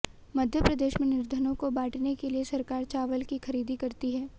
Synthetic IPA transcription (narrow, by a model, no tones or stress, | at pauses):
mɐd̪ʱjəpɾɐd̪eːʃmẽnɪɾd̪ʱənõkobaːʈnekeliesɐɾkaːɾt͡ʃaːʋəlkixɐɾiːd̪ʱikɐɾt̪iɦɛː